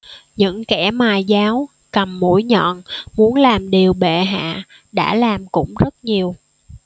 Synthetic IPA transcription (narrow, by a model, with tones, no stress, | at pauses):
ɲɨ̰˧˥ŋkɛ˧˩maː˨˩jzaː˨˦w | kə˨˩mːo̰˧˥jɲɔ̰˧˨nmu˨˦ənlaː˨˩mɗi˨˩əwɓḛ˧˨ɦa̰ː˧˨ | ɗa̰ː˧˥laː˨˩mkʊ̰˧˥ŋ͡mzə˦˥t̚ɲi˨˩əw